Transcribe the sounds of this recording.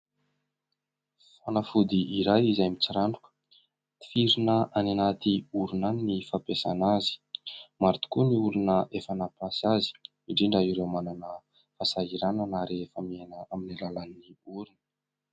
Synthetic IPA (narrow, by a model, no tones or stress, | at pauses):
fanafud̪iiɾajizajmit͡siɾaɳɖ͡ʐukə̥ | fiɾinəananat̪iuɾunaninifapesa̰nazi̥maɾt̪u̥kuniuɾunəʔefanapasazi̥ | iɳɖ͡ʐiɳɖ͡ʐaiɾewmananə | fasaɦiɾananaɾefamianəaminilalanːiuɾunə̥